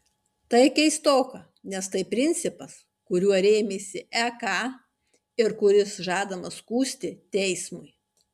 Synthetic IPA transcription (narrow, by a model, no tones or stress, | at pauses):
t̪ɐɪkʲɛɪst̪oːkɐ | nʲɛst̪ɐɪpʲɾʲɪnʲt̪sʲɪpɐs | kʊɾʲuɔɾʲeːmʲeːsʲɪɛkɑː | ɪɾkʊɾʲɪsʒɑːd̪ɐmɐskuːsʲt̪ʲɪt̪ʲɛɪsmʊɪ